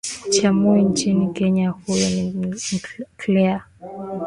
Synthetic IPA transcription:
t͡ʃamuint͡ʃinikɛɲahujɔnim̩kʰlɛa

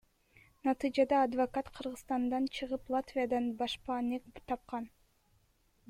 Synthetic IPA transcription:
nɑt̪ɨjd͡ʒɑd̪ɑːd̪vokat̪qʰɯɾʁɯst̪ɑnd̪ɑnt͡ʃʰɯʁɯplˠat̪vʲijad̪ɑnbɑʃpɑːnekbt̪ʰɑp̚qɑn

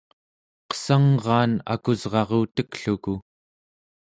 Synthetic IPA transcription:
qə̥saŋʁɑːna̰kuzʁɑʁuːt̪əkɬuku

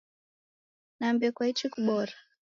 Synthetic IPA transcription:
naːmbiakwait͡ʃikuɓɔɾa

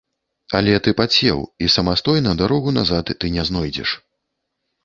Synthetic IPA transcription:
a̰lʲɛt̪ɨpat͡sʲɛ̰wisɐmast̪ɔjnɐd̪aɾɔɣunazat̪ːɨnʲɛznɔjd͡zʲɛ̰ʂ

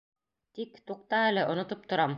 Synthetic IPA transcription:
t̪ikt̪uq̚t̪ɑælɘʔŏnŏt̪op̚t̪ŏɾɑm

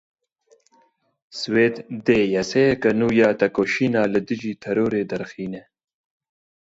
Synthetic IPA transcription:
sweːt̪d̪eːjɐseːkɐnuːjaːt̪ɐkoːʃiːnaːlɨd̪ɨʒiːt̪ʰɐɾoːɾeːd̪ɐɾxiːne

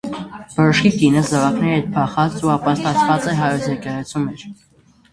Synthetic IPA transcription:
b̥ɔɾɔʃkikinəzɑvɑknɛɛt̪̚pʰɑχɑt͡suɑpɑst̪ɑt͡sʰvɑt͡sɛɦɑjɔt͡sʰɛkɛʁɛt͡sʰumɛɾ

